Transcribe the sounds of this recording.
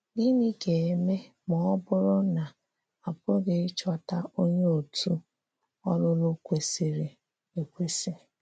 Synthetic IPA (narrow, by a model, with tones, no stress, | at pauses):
ɡɪ˦ni˦ke˨e˨me˦ | mɔ˨ɔ˦bʊ˦ɾʊ˦na˨ | a˨pʊ˦ɡɪ˦ɪ˦t͡ʃɔ˦ta˦ʔo˦ɲe˦o˨tʰu˦ | ɔ˦lʊ˦lʊ˦kʷe˨se˨ɾe˨ | e˨kʷe˦se˨